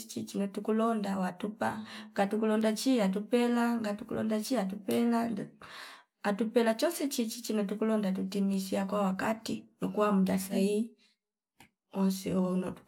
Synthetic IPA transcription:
t͡ʃit͡ʃinɔtukulɔndawatupaŋɡatukulɔndat͡ʃiat̬upɛlaŋɡatukulɔ̰ndat͡ʃiat̬upɛla | atupɛlat͡ʃɔsɛt͡ʃit͡ʃit͡ʃinɔtukulɔndat̬utimisiakwawakatinɔkuwamudasai | ɔnsḭɔnɔ

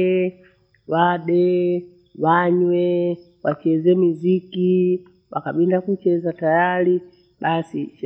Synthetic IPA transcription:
waɗɛ | waɲwɛ | wat͡ʃɛzɛmiziki | wakaɓindakut͡ʃɛzatajali | ɓasiʃ

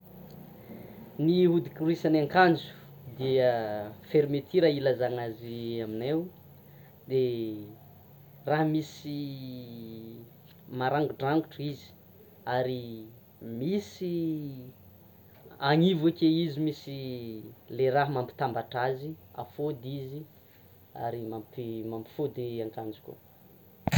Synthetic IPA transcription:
niɦud̪ikuɾuisanaŋkand͡ʒu̥ | d̪iəfeɾimet̪ʰiɾailazaŋaziaminew | d̪e | raɦmisi | maɾaŋɡuɖ͡ʐaŋɡuʈ͡ʂizi̥ | aɾi | misi | aŋivakeizimisi | leɾaɦmampi̥t̪ambaʈ͡ʂazia̰fod̪izi | a̰ɾimampimampi̥fud̪iaŋkand͡zu̥kʲo̰

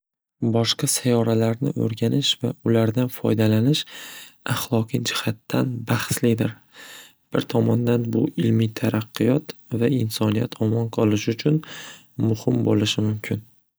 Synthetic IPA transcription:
bɒʃqɑsajɒɾalaɾnɪ̰ʔo̰ɾɡʲanɪʃva̰ʊlaɾd̪anfɒ̰jd̪alanɪʃaχlˠɒqʰɨd͡ʒɪhat̪ːanbahslɪd̪ɪɾ | b̥ɪɾt̪ʰɒmɒnd̪anbʊʔɪlmijt̪ʰaɾʔaqʰːɨjɒt̪vaɪnsɒnijat̪ʰɒmɒnqʰɒlˠɪʃʊt͡ʃʰʊn | mʊhɪmbo̰lɪʃɪmʊmkʲʰɪn

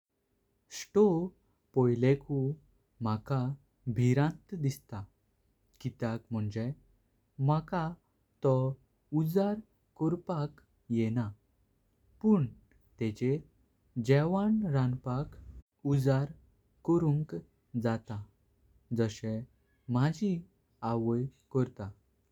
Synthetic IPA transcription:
sʈo | pɔjleku | m̤aka | bʱiɾãnt̪d̪ist̪a | kit̪akm̤əɳd͡ʑe | maka | t̪ɔ | ud͡zaɾ | kɔɾpak | jɛna | puɳ | t̪ɛt͡ɕe | d͡ʑɛʋanɾãnpak | ud͡zaɾ | kɔɾũŋk | d͡zat̪a | d͡zəɕɛ̃ | m̤ad͡ʑi | aʋəjkəɾt̪a

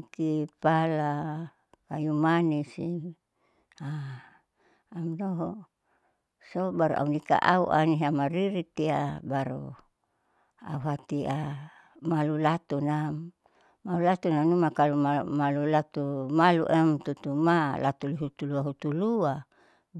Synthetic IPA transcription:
kipala | kajumanisi | a | amnoɦɔ | sobaɾṵʔa̰unika̰ʔauʔa̰niɦamaɾiɾit̪iabaɾu | a̰uɦat̪ia | malulat̪una | malulat̪unanumakalumamalulat̪umalṵʔɛmt̪ut̪umala̰t̪uliɦut̪uluaɦut̪ulua

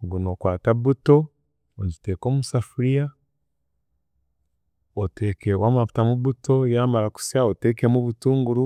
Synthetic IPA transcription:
ɡunokwaːtaβuto̞ | oɟite̞ːko̞ːmusafuɾija | oteːkewamaβu̥tamuβuto̞jamaɾaku̥siaotekemuβutuːŋɡuɾu

